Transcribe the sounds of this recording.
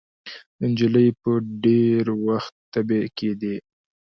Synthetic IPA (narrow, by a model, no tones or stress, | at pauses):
ənd͡ʒələjpəɖeɾwaxt̪ːabeked̪i